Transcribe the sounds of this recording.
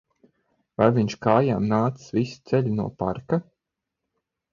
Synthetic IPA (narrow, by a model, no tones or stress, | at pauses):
vajviɲʃkaːja̰ːmnaːt̪sɨ̥svisi̥t̪sɛʎʲinuɔpa̰ɾka